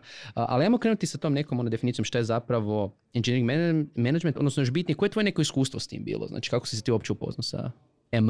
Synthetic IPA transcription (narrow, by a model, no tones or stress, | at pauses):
əʔa̰liamokɾenut̪isat̪omnekomonad̪efinit̪sjomʃt̪ajezapɾaʋo̞ | ind͡ʒeneɾiŋɡmemenad͡ʒment̪od̪nosnojoʃbit̪nijeko̞jet̪o̞je̞ne̞ko̞iskuːst̪ʋo̞st̪ḭːmbḭːlˠʔo̰a̰ːt͡ʃi̥kakosiset̪iːuopt͡ɕeupo̞̰znasa̰ | em